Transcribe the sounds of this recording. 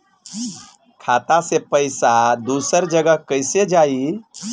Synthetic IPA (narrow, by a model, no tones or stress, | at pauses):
kʰat̪asepəɪsad̪usəɾd͡ʒəɡəkəɪsed͡ʒai